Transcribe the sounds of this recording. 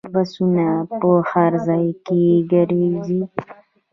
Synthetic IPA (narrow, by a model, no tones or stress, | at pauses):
basunapəxaɾzajkeɡaɾizi